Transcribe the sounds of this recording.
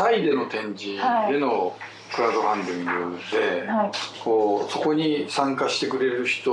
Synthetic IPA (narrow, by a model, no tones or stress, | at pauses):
aid̪e̞no̞t̪ẽ̞ɲ̟d͡ʑid̪e̞no̞ | kɯ̟ɾad̪o̞ɦãnd̪ʲĩŋɡɯ̰d̪e̞koːso̞ko̞ɲ̟isãŋkaɕi̥t̪e̞kɯ̟ɾe̞ɾɯ̟çi̥t̪o